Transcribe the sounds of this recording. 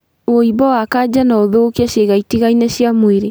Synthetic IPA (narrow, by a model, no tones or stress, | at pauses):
oibɔwakad͡ʑanaɔðoːkiaɕeɣaitiɣainaɕiamweɾe